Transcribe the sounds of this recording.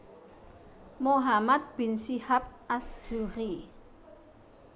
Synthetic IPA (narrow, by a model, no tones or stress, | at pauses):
moɦamat̪̚b̥ɪ̤nsihap̚asz̥uɾi